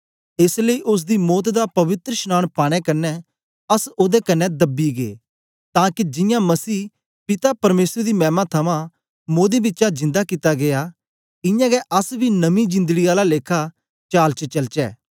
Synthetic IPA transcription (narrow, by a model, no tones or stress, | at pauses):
ɪsləiːʔʊs̬d̪imɔːt̪d̪apɐʋɪt̪ɾəʃñaːɽ̃paːɽ̃ɛkɐnːɛ | ɐsoːd̪ɛkɐnːɛd̪ɐbiɡḛː | t̪ãːkid͡ʒɪ̃jãmɐsiː | pɪt̪apɐɾmeːsɾd̪imɛ̃ːmãt̪ʰɐmã | moːd̪ebɪtːt͡ʃad͡ʒɪ̃nd̪akɪt̪aɡea | ɪ̃jãːɡɛʔɐsbinɐmĩd͡ʒɪ̃nd̪əɡiaːlaleːkʰa | t͡ʃaːlt͡ʃət͡ʃɐlt͡ʃɛ̰ː